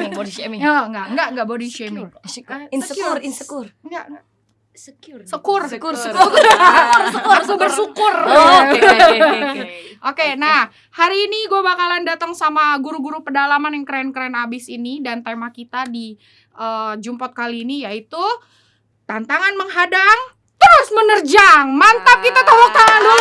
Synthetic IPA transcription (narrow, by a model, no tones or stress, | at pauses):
bodiemiəŋɡaʔŋɡaʔŋɡaʔbodiʃemi | nrnsəkʊrŋɡaɡa | səkʊrskʊr | ʊrəkʊsuʊrsukʊr | ʔokenah | haɾiːniɡuabakalandat̪aŋsamaɡuɾuɡuɾupədalamanjaŋkəɾɛnkəɾɛnabɪsinidant̪emahkit̪adi | ʔəd͡ʒumpɔt̪̚kaliːnijait̪u | t̪ant̪aŋanməŋɦadaŋ | t̪əɾʊsmənərd͡ʒaŋmant̪ap̚kit̪at̪awak̚t̪aŋandu